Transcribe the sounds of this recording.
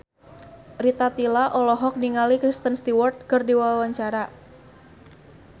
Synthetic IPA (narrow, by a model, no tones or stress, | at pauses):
rit̪at̪ilaʔɔlɔɦɔk̚niŋalikɾist̪ənst̪iwɔrt̪̚kərdiwaawaɲt͡ʃaɾa